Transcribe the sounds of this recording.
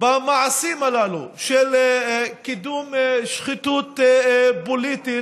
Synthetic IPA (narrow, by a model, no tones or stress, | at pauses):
bamaʕasimalalṵʃelkid̪umʃχit̪ut̪bolit̪i